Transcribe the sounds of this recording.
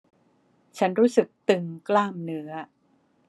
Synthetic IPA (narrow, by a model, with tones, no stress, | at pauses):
t͡ɕʰa˦˥nɾuː˦˥sɯ˨˩k̚t̪ɯ˨˩ŋklaː˥˩mnɯ˦˥ɐ